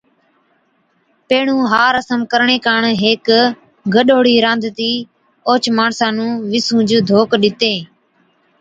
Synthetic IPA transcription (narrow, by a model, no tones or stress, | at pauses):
peːɳũːɦaːɾəsəmkəɾɳeːkaːɳɦeːk | ɡəɗoːɽiːɾãːnd̪ʱt̪iː | oːt͡ʃmaːɳsãːnũːʋɪsũːd͡ʒd̪ʱoːkɗɪt̪eː